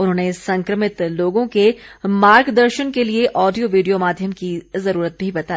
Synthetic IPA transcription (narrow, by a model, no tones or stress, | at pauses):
ʊnɦõːnesɐ̃ŋkɾəmɪt̪loːɡõkemaːɾɡd̪ɐɾʃənkelieʔɔːɖijoʋiːɖijomaːd̪ʱjəmkizɐɾuːɾət̪̚bʱibɐt̪aː